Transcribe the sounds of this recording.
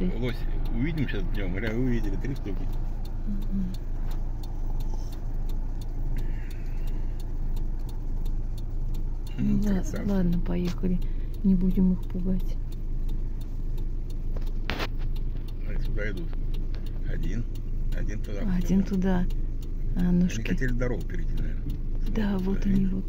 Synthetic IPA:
lˠosʲʊvʲidʲɪmɕasd̪ʲelˠəmɡɾʲavɨʊvʲidʲɪlʲɪt̪ɾʲist̪ukʲɪ | m̩ɦm̩ | d̪alˠad̪nəpɐjexəlʲɪ | nʲɪbudʲɪmɨxpʊɡatʲ | ɐit̪ʊd̪aɪd̪ut̪ | ɐdʲin | ɐdʲint̪ʊd̪aɐdʲint̪ʊd̪a | ɐnoʂkʲtʲelʲɪd̪ɐɾoɡəpʲɪɾʲɪtʲɪna̰lʲ | d̪avo̞ɐnʲivot̪

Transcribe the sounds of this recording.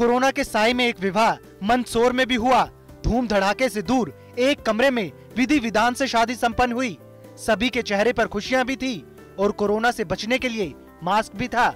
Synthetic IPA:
koːɾoːnakesaːjmẽeːkʋɪʋʱaːɦ | mɐ̃nsoːɾmẽbʱiɦʊaː | d̪ʱuːmd̪ʱɐɽ̤aːkesed̪uːɾ | eːkːɐmɾemẽ | ʋɪd̪ʱiʋɪd̪aːnseʃaːd̪ʱisɐ̃mpənːɦʊiː | sɐbʱiket͡ʃɛɦɾepɐɾxʰʊʃijãbʱit̪ʰiː | ɔːɾkoːɾoːnasebɐt͡ʃnekelie | maːsk̚bʱit̪ʰaː

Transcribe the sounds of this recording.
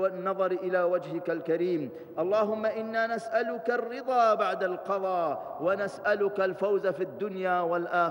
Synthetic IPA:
wɪnːɑðˤɑɾʔɪlaːwad͡ʒhɪkalkaɾiːm | ʔɑlˤːɑːɦʊmːaʔɪnːaːnasʔalʊkarːɪðˤɑːbaʕd̪alqɑðˤɑː | wanasʔalʊkalfawzafid̪ːʊnjaːwalʔaː

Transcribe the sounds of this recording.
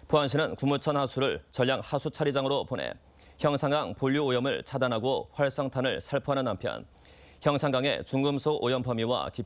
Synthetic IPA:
pʰoanɕʰinɯnkumut͡ɕʰʌnhasʰuɾɯɭt͡ɕʌʎjaŋhasʰut͡ɕʰaɾid͡ʑaŋɯɾoponḛ | çjʌŋsʰaŋɡaŋpoʎːuojʌmɯɭt͡ɕʰadanɦaɡoɸwaɭs͈ʌŋtʰanɯɭsʰaɭpʰoɦanɯnːampʰjʌ̰n | çjʌŋsʰaŋɡaŋe̞̰t͡ɕuŋɡɯmsʰoʔojʌmpʰʌmiwa̰ki

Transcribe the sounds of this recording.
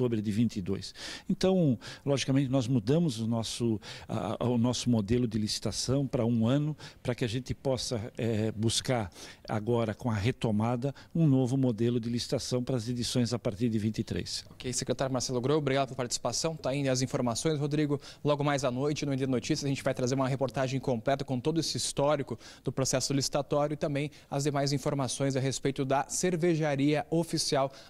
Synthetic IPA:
obɾɪd̪ɪvĩnt̪ɪd̪o̰jsẽnt̪ɐ̃w̃lɔʒikamẽnt̪ɪnɔzmud̪ɐ̃mʊzʊnɔsʊa̰ʊnɔsʊmod̪elʊd̪ɪlisi̥t̪asɐ̃w̃pɾɐũɐ̃nʊpɾɐkɪaʒẽnt̪ɪpɔsɐɛbuskaɾa̰ɡɔɾɐkõɐɦet̪omad̪ɐũnovʊmod̪elʊd̪ɪlisi̥t̪asɐ̃w̃pɾɐːzed̪isõj̃zapaɾt̪iɾd̪ɪvĩnt̪ɪt̪ɾḛsokejsekɾet̪aɾjʊmaɾsɛlʊɡɾojbɾiɡad̪ɐpelɐpaɾt͡ʃi̥si̥pasɐ̃w̃t̪aĩd̪ɐzĩfoɾmasõj̃s̬hod̪ɾiɡʊlɔɡʊmajzɐnojt͡ʃɪnũwẽd̪ɐd̪ɐnot͡ʃisjɐzɐʒẽnt͡ʃɪvajt̪ɾazeɾũmɐɦepoɾt̪aʒẽj̃kõplɛt̪ɐkõt̪od̪ʊesɪist̪ɔɾikʊ | d̪̥ʊpɾosɛsʊlisi̥t̪at̪ɔɾjʊɪt̪ɐ̃mbẽj̃ | ɐzd̪emajzĩfoɾmasõj̃z̬ɐɦespejt̪ʊd̪ɐseɾveʒaɾiɐofisiaw

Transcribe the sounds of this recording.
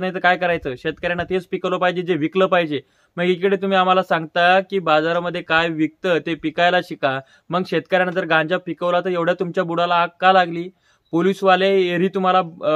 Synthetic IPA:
najt̪əkajkəɾajt͡səːɕet̪̚kəɾjanːat̪et͡spikəʋləpaɦid͡ʑed͡zeʋikləpaɦid͡ʑe | məɡikəɽet̪um̤iːam̤alasaŋɡt̪akiːbad͡zaɾaməd̪ʱːjekajʋik̚t̪ət̪epikajlaɕika | məɡɕet̪kəɾjanənt̪̬əɾɡãɲd͡ʑapikəʋlat̪əɾjeʋɽ̤jat̪umt͡ɕjabuɽalaːkːalaɡliː | polisʋaleeɾiːt̪um̤ala

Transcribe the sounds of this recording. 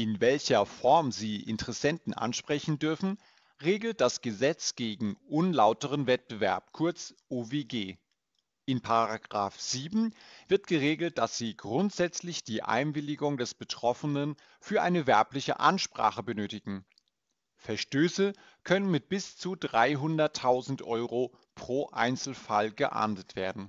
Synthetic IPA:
ʔɪnvɛlçɐfɔɐmziːʔɪ̰ntəʁɛsɛntn̩ʔa̰nʃpʁ̥ɛçn̩dʏɐfn̩ | ʁeːɡl̩t̚d̥asɡ̥əzɛt͡sɡ̥eːɡŋ̩ʔʊnlaʊtəʁ̞ənvɛt̚b̥əvɛɐp̚kʰʊɐt͡sʔoːveːɡeː | ʔɪnpʰaʁaaɡʁaːfz̥iːbm̩v̥ɪɐtɡ̥əʁeːɡl̩t̚d̥asz̥iːɡʁʊntz̥ɛt͡slɪçd̥iːʔa̰ɪnvɪlɪɡʊŋdɛsb̥ətʁ̥ɔfənən | fyːɐʔaɪnəvɛɐplɪçə̰ʔa̰nʃpʁ̥a̰ːχəbənøːtɪɡ̥ŋ̩ | fɛɐʃtøːsə | kʰœnənmɪt̚b̥ɪst͡sudʁaɪɦʊndɐtʰːaʊzn̩tʔɔʏʁo | pʁ̥oːʔa̰ɪnt͡sl̩falɡəʔa̰ɐntətv̥eːɐdn̩

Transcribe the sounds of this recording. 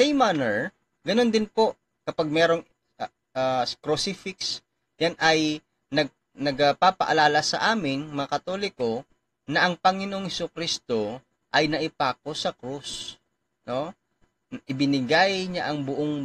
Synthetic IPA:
sɛjmanɛɹ | ɡɐno̞nd̪ɪnpo̞ | kɐpaɡ̚mɛːɾo̞ŋ | askɾosifɪks | janɐj | nɐɡ̚ | nɐɡɐpaːpɐ̰ʔɐlaːlɐsɐʔaːmɪŋmɐŋɐkɐt̪olɪko̞ | nɐʔɐŋpɐŋɪnoʔoŋhɛsukɾist̪o̞ | ʔɐjnɐʔɪpaːk̚o̞sɐkɾus | no̞ | ʔɪbɪnɪɡajɲaʔɐŋbʊʔoŋ

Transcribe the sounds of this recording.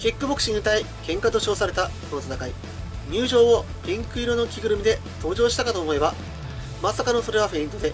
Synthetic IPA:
kʲikːɯ̟bo̞kɯ̥ɕiɲːɯt̪aikẽ̞ŋkat̪o̞ɕo̞ːsaɾe̞t̪ako̞no̞t̪at̪akai | ɲ̟ʲɨːʑo̞ːo | pʲĩŋkɯ̟iɾo̞no̞kʲiɡɯ̟ɾɯ̟mid̪e̞ | t̪o̞ːʑo̞ːɕit̪akat̪o̞ːmo̞e̞βba | masakano̞so̞ɾe̞βaɸeĩnt̪o̞d̪e̞

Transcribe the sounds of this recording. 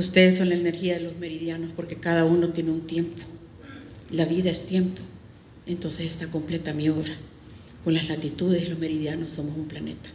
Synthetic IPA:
ust̪e̞ðesːo̞nlaene̞ɾxiaðelo̞zme̞ɾiðjano̞spo̞ɾke̞kaðauno̞t̪je̞neunt̪je̞mpo̥ | laβiðaest̪je̞mpo̞ | e̞nt̪o̞nse̞sest̪ako̞mple̞t̪amijo̞βɾa | ko̞nlaslat̪it̪uðe̞silo̞zme̞ɾiðjano̞sːo̞mosumplane̞̰t̪ḁ

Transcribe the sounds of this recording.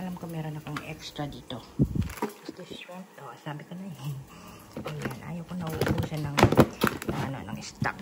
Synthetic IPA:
ʔɐlamkomɛːɾonɐkoŋʔɛ̰kst̪ɾɐd̪iːt̪o̞ | ɪsd̪ɪsɾɛnt̪ʔoʔsaːbɪkonɐjɐn | ʔɐjanʔa̰ːjowkonɐʔuʔbuːsanɐŋnɐŋʔɐno̰nɐ̰ŋʔɪst̪a̰k

